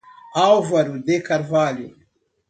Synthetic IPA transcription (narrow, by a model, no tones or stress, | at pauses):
awvɐɾud̪ekaɾvaːli